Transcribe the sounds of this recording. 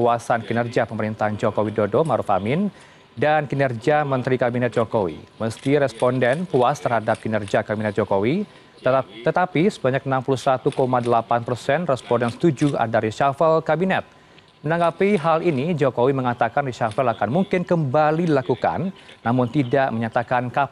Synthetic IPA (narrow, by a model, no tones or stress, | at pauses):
uasankinərd͡ʒapəməɾint̪ahd͡ʒokowidodomaɾufa̰mɪn | dankinərd͡ʒiamənt̪ɾikabinɛt̪̚d͡ʒokowḭməst̪iɾɛspɔndɛnpuast̪ərɦadap̚kinərd͡ʒakabinɛt̪̚d͡ʒokowi | t̪ət̪apisəbaɲak̚ənampulusat̪ukomadəlapanpərsɛnrɛspɔndɛnsə̥t̪ud͡ʒua̰daɾiʃafɛlkabinɛt̪̚ | mənaŋɡapiɦalinid͡ʒokowiməŋat̪akanriʃafɛlakanmuŋkɪnkəmbalidilakuka̰nːamʊnt̪idaʔməɲat̪akanka